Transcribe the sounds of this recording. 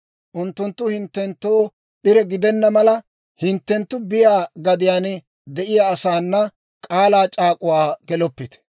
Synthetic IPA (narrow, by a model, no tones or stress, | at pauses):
ʔʊnt̪ːʊnt̪ːʊhɪnt̪ːɛnt̪ːoː | ɗɪɾɛɡɪd̪ɛnːɐmɐlɐ | hɪnt̪ːɛnt̪ːʊbɪjaːɡɐd̪ɪjaːn | d̪ɛʔɪjaːsaːnːɐ | kʼaːlaːt͡ʃʼaːkʼʊwaːɡɛlɔpːɪt̪ɛ̥